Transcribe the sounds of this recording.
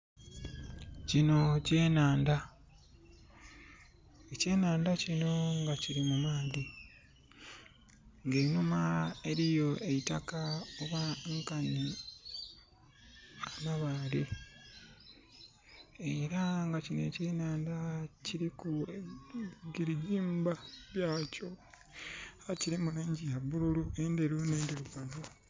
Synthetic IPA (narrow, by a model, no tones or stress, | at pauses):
cino̞ce̞ːnaːnda | ece̞ːnaːndacino̞ŋɡaciɾimumaːði | ŋɡeːɲumae̞ɾijo̞ʔe̞itakaoβaŋkaɲi | anaβaːle | eɾaŋɡacinḛciinaːndaciɾiku | ɡiɾiɟiːmbaβjaːco | aciɾimuluːɲɟijaβuɾuluendeɾuneːndeɾuɡano